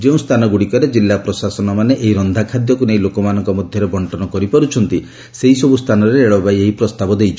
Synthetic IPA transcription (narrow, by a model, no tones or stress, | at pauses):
d͡ʒeũst̪ʰanɔɡuɽikɔɾed͡ʒilːapɾɔsasɔnɔmaneʔeɦiɾɔnd̪ʱakʰad̪jɔkunejlokɔmanɔŋkɔmɔd̪ʱjɔɾebɔɳʈɔnɔkɔɾipɔɾut͡ʃʰɔnt̪i | seɦisɔbust̪ʰanɔɾeːɭɔbajeɦipɾɔst̪abɔd̪ejt͡ʃʰɔ